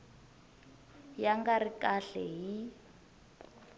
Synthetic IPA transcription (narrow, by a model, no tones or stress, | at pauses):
jaŋɡarikʼaɬɛɦi